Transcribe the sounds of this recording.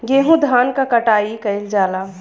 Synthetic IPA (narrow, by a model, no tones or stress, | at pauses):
ɡeːɦũd̪ʱaːnkakɐʈaːikɐɪld͡ʒaːla